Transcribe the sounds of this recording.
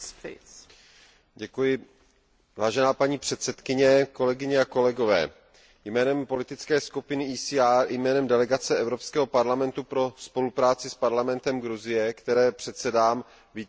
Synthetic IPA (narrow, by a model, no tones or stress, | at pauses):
ɟɛkujɪ | vaːʒɛnaːpaɲiːpr̝̥ɛt̪sɛt̪kɪɲɛko̞lɛɡɪɲɛako̞lɛɡo̞vɛ̰ː | jmɛːnɛmpo̞lɪt̪ɪt͡skɛːskupɪnɪʔiːsiaɾjmɛːnɛmdɛlɛɡat͡sɛʔɛvɾo̞pskɛːɦo̞paɾlamɛnt̪upɾo̞spo̞lupɾaːt͡sɪspaɾlamɛnt̪ɛmɡɾuzɪjɛkt̪ɛɾɛːpr̥ɛt̪sɛdaːm | vi